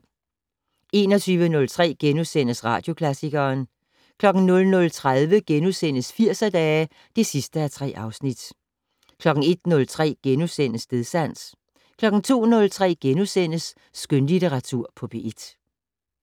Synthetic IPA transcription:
e̝ːnɒt͡sʰyːʋənɔ̽lt͡sʰʁɛ̰ːɡ̥enusen̰əsʁɑ̰̈ːd̥jo̝kʰlæsiɡ̥ɐːn | kʰlɒ̽ɡ̥n̩nɔ̽lnɔ̽lt͡sʰʁaðˠʋəɡ̥enusen̰əsfiɐ̰sɐd̥ɛː | d̥e̝sisd̥əæɐt͡sʰʁɛ̰ːʔɑ̈ʊsnid̥ | kʰlɒ̽ɡ̥ŋ̩e̝d̥nɔ̽lt͡sʰʁɛ̰ːɡ̥enusen̰əsd̥e̝ðˠsæn̰s | kʰlɒ̽ɡ̥n̩t͡sʰo̝̰ːnɔ̽lt͡sʰʁɛ̰ːɡ̥enusen̰əsː | ɡ̥ønlit͡sʰeʁɑ̈t͡sʰuɐ̰pʰɒ̽b̥e̝ʔed̥

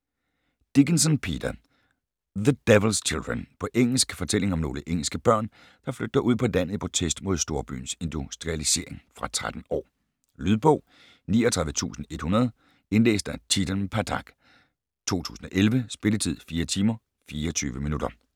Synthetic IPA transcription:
d̥iɡ̥ənsənpʰid̥ɐ | ðəd̥eʋl̩st͡ɕʰild̥ʁɐnpʰɒ̽ʔeŋ̰l̩sɡ̥fɒ̽t͡sʰel̰e̝ŋɒ̽mno̝ːləʔeŋ̰l̩sɡ̥əb̥ɶɐ̰n | d̥ɑ̈fløɡ̥̚d̥ɐʔuð̞̰ˠpʰɒ̽dæn̰ð̩ipʰot͡sʰesd̥mo̝ð̞̰ˠsd̥o̝ɐb̥y̰ːn̩se̝nd̥usd̥ʁiælise̝̰ɐe̝ŋfʁɑ̈t͡sʰʁad̥n̩ɒ̰ː | lyðˠb̥ɔ̽ʊ | niːɒt͡sʰʁɑðˠʋət͡sʰṵːsn̩e̝d̥hunɐð̞ˠ | e̝nlḛːsd̥æt͡sʰid̥ənpʰædʰɑ̈ɡ̥ | t͡sʰo̝̰ːt͡sʰṵːsn̩ɒ̽ʔelʋəsb̥e̝lət͡sʰið̞̰ˠfiːɐt͡sʰiːmɐ | fiːɐɒt͡sʰyːʋəminud̥ɐ

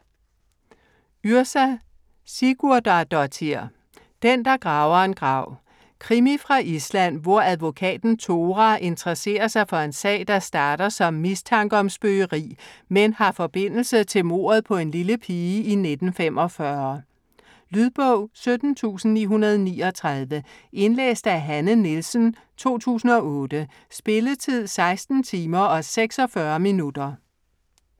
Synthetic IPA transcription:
yɐsæ | siɡ̥uɐd̥ɑ̈d̥ɒt͡sʰiɐ̰ | d̥end̥ɑ̈ɡ̥ʁɑ̈ːʊɐe̝nɡ̥ʁɑ̈ʊ̰ | kʰʁimifʁɑ̈ʔislæn̰ʋɒɐæð̞ˠʋo̝kʰɛ̰ːd̥n̩t͡sʰo̝ːʁæʔe̝nd̥ʁɐse̝̰ːɐsɑ̈ɪfɒ̽e̝nsɛ̰ːɪd̥ɑ̈sd̥ɑ̈ːɾ̥ɐsɒ̽mːist͡sʰɑ̈ŋɡ̥əɒ̽msb̥øəʁḭːmenhɑ̈fɒ̽b̥e̝n̰l̩sət͡sʰe̝lmo̝̰ːɐð̞ˠpʰɒ̽e̝nliləpʰiːine̝d̥n̩femʔɒ̽fɶɐ | lyð̞ˠb̥ɔʊ̰sød̥n̩t͡sʰṵːsn̩nḭːɦunɐð̞ˠɒniːɒ̽t͡sʰʁɑð̞ˠʋəʔe̝nlḛːsd̥əæɦænənilsn̩ | t͡sʰo̝̰ːt͡sʰṵːsn̩ɒ̽ʔɔ̽ːd̥ə | sb̥e̝lət͡sʰið̞̰ˠsɑ̈ɪsd̥n̩t͡sʰiːmɐɒ̽seɡ̥sɒ̽fɶɐminud̥ɐ

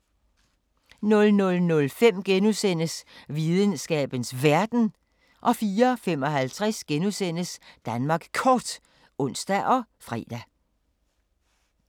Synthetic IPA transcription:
nɔ̽lnɔ̽lnɔ̽lfem̰ɡ̥enusen̰əsʋiðˠənsɡ̥ɛ̰ːb̥ən̩sʋæɐd̥n̩ | ʔɒ̽fiːɐfem̰ɒ̽ɦælt͡sʰʁasɡ̥enusen̰əsd̥ænmɑ̈ːɡ̥kʰɒːd̥ | ɔ̽n̰sd̥æʔɒ̽fʁɛ̰ːd̥æ

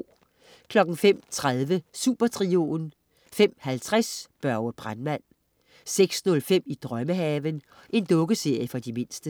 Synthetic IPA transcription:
kʰlɒ̽ɡ̥n̩fem̰t͡sʰʁaðˠʋəsṵːb̥ɐt͡sʰʁio̝ːn | fem̰hælt͡sʰʁasb̥ɶɐwəb̥ʁanmæn̰ | seɡ̥snɔ̽lfem̰id̥ʁɶməɦɛːʋən | ʔe̝nd̥ɔ̽ɡ̥əse̝ɐ̰jəfɒ̽d̥ime̝n̰sd̥ə

